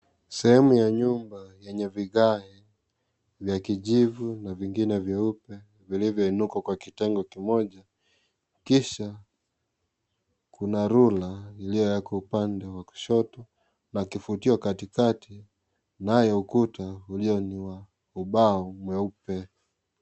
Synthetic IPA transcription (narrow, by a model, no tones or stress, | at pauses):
sɛhɛmujaɲumbajɛɲɛviɣahi | vjakiʄivunaviŋɡinɛvjɛupɛ | vilivjɔinukwakwakitɛŋɡɔkimɔʄa | kiʃa | kʰunaɾulailijɔjakɔupandɛwaku̥ʃɔtɔ | nakifutiwakatikati | najɛukutauliɔniwa | uɓaumwɛupɛ